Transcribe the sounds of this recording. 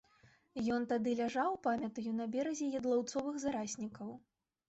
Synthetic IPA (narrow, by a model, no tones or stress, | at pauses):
jɔnt̪ad̪ɨlʲaʐawpamʲɐt̪ɐjunɐbʲɛɾɐzʲɛjɐd̪lˠɔwt̪sɔvɨxzaɾasʲnʲikɐw